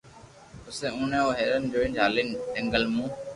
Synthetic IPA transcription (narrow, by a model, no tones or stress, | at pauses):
ʊsẽːũːnẽːoːɦeːɾənd͡ʒoːɪ̃nd͡ʒʱaːlɪnɛŋɡəlmũː